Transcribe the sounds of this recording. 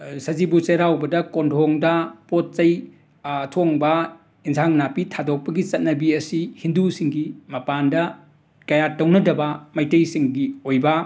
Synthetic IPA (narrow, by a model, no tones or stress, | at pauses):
sɐzibut͡ʃɐɾawbɐdɐkondʰʱoŋdɐpot̚t͡ʃɐj | ɐtʰoŋbɐ | insʰaŋnapitʰadok̚pɐɡit͡ʃɐt̚nɐbiɐsihindusiŋɡimɐpandɐ | kɐjatɐwnɐdɐbɐmajtɐjsiŋɡiojbɐ